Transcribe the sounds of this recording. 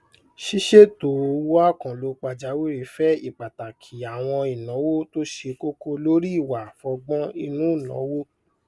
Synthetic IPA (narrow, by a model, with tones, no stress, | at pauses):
ʃi˦ʃe˦to˨˧wu˦a˦˨kã˨lo˨˦k͡pa˧˨d͡ʒa˨˦wo˦i˨˦fɛ˦i˦˨k͡pa˨ta˨kʰi˨a˨w̃ɔ̃˧i˨nɔ̃˨˦wo˦to˦ʃe˧ko˦ko˧lo˦ɾi˦i˦˨wa˨fɔ˧ɡ͡bɔ̃˦i˧nũ˦˨nɔ̰̃˨˦wo˦